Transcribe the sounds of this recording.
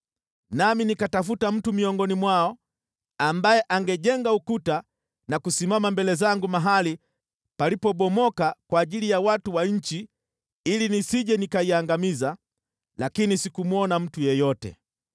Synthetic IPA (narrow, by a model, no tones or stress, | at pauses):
naminikatafutam̩tumiɔŋɡɔnimwaɔ | ambajɛʔaŋɡɛʄɛŋɡaukuta | nakusimamambɛlɛzaŋɡumaɦali | palipɔɓɔmɔkakwaːʄilijawatuwaɲ̩t͡ʃi | ilinisiʄɛnikaiaŋɡamiza | lakinisikumwɔnam̩tujɛjɔtɛ̰